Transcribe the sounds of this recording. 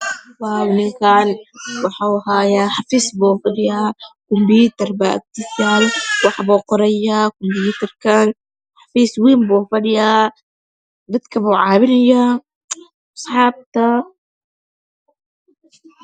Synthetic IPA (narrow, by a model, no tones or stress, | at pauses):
bɑːwnɪŋkʰaːnwɑħaːwɦaːjaːħɑfiːsbuːfɐɽɪjaːkʊmbiːt̪ɐrbaːʔɪ̰k̚t̪ɪsaːlwɑħbuːqɔɾɐjaːkʊmbjuːt̪ɐrkʰan | ħɑfiːswiːmbuːfɐɖɪjaː | d̪ɐd̪kʰɐβuːʕɑːβɪnɐja | ɑsˤħɑːb̚t̪ʰɐ